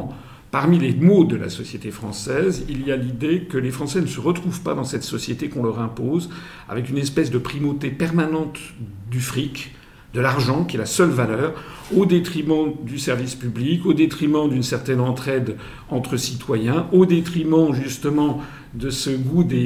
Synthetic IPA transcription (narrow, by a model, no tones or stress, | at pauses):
paʁmilemod̪əla̰sɔsjet̪efχɑ̃sɛzilijalid̪ekəlefχɑ̃sɛnəsəʁət̪χuvpad̪ɑ̃sɛt̪sɔsjet̪ekɔ̃lœʁɛ̃poz | a̰vɛkynɛspɛsd̪əpχimot̪epɛʁmanɑ̃t̪d̪yfχik | d̪əlaʁʒɑ̃kʲiɛlasœlvalœːʁ | od̪et̪χimɑ̃d̪ysɛʁvispyblikod̪et̪χimɑ̃d̪ynsɛʁt̪ɛnɑ̃t̪χɛd̪ | ɑ̃t̪χəsit̪wajɛ̃od̪et̪χimɑ̃ʒyst̪əmɑ̃ | d̪əsəɡud̪e